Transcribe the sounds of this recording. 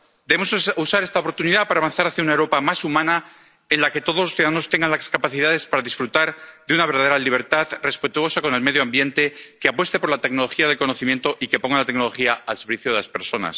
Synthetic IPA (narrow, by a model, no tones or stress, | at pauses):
d̪eβemosusaɾe̞st̪aopo̞ɾt̪uniðapaɾaːβanθaɾaθjaunaewɾo̞pamasumãna | enlake̞t̪o̞ð̞olosθjuðaðano̞st̪e̞ŋɡanlaskapaθiðaðe̞spaɾaðisfɾut̪aɾðeunaβɾðaðe̞ɾaliβ̞e̞ɾt̪aðre̞spe̞t̪uo̞sako̞ne̞lme̞ðjoambje̞nt̪e̞keapwe̞st̪e̞po̞ɾlat̪e̞kno̞lo̞xiaðelko̞no̞θimje̞nt̪o̞ʔike̞po̞ŋɡalat̪e̞ɡno̞lo̞xiaalseɾβiθjoðelaspe̞̰ɾso̞na̰s